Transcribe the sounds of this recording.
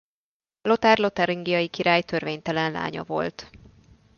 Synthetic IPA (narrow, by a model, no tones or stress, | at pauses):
lo̞t̪aːrlo̞t̪ɛɾiŋɡijɒjikiɾaːjt̪ø̞rveːɲt̪ɛlɛnla̰ːɲɒ̰vo̞̰lt̪